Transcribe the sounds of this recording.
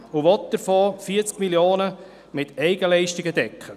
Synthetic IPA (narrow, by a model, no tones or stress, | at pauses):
ʊʋɔt̚d̪̥əɾfoːfiːt͡skmiljoːnə | mɪtʰɛɪɡəlɛɪʃtɪɡəd̪ɛkχə